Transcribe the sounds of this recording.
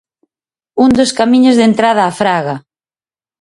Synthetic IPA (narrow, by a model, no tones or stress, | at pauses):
und̪oskamĩɲozðent̪ɾað̞aːfɾaɣa